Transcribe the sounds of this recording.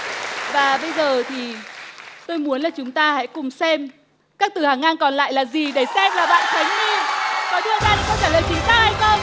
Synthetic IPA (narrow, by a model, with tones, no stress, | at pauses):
vaː˨˩ɓə˧jzəː˨˩t̪ʰi˨˩ | t̪o˧jmu˨˦ənlaː˨˩t͡ɕʊ˨˦ŋ͡mt̪aː˧ha̰˧˥jkʊ˨˩ŋ͡msɛ˧m | kaː˦˥k̚t̪ɨ˨˩haː˨˩ŋʔaː˧nkɔ˨˩nla̰ː˧˨jlaː˨˩zi˨˩ɗe˧˩sɛ˧mlaː˨˩ɓa̰ː˧˨nt̪a˨˦jŋni˧kɔ˨˦ɗɨ˧əzaː˧ɗi˨˩xə˧ŋ͡mt͡ɕaː˧˩ləː˨˩jt͡ɕi˨˦zaː˧˥ha˧jt̪ə˧j